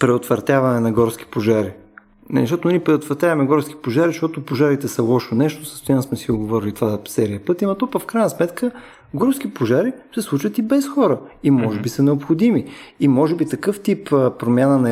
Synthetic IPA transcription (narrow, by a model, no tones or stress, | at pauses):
pɾɛot̪vɐɾt̪ʲjavɐnɛnɐɡɔɾsk̟i̥poʒaɾi | nɛiʃt̪ɔt̪onipɾɛot̪vɐɾt̪javɐmɛɡɔɾski̥poʒaɾiʃt̪ɔt̪opoʒaɾit̪ɛsɐlˠɔʃonɛʃt̪osəst̪ojansmɛsioɡovɔɾilit̪ovasɛɾijəpɤt̪imɐt̪ɔpəfkɾajnɐsmɛt̪kə | ɡɔɾsk̟ipoʒaɾisɛslˠut͡ʃvət̪ibɛsxɔɾəimɔʒɛbisənɛopxod̪imiimɔʒɛbit̪ɐkɤft̪ipːpɾomʲjanənɐ